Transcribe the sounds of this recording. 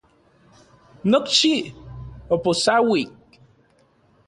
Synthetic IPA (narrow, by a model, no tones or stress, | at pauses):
nokt͡ʃi | oposawik̚